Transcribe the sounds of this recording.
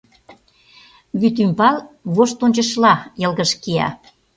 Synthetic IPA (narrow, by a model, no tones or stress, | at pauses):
βyt̪ympɑlβoʃt̪onʲt͡ɕə̆ʃlɑjɤ̆lɣə̆ʃkiɑ̰